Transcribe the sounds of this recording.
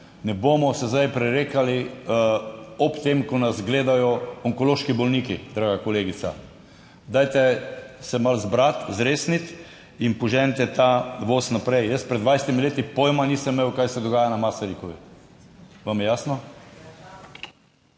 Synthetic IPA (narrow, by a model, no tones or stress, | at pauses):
nɛboːmɔsɛzd̪ajpɾɛɾeːkali | ɔpt̪emkɔnazɡleːd̪ajɔɔŋkɔloʃkibɔlniːkid̪ɾaːɡakɔleːɡit̪sa̰ | d̪ajt̪ɛsɛmalzbɾat̪zɾeːsnit̪ | inpɔʒɛnt̪ɛt̪aʋoːsnapɾɛjjəspɾɛd̪d̪ʋajsɛt̪imileːt̪ipojmaniːsəmːewkajsɛd̪ɔɡaːjanamasaɾikɔʋi | ʋamjɛjaːsnɔ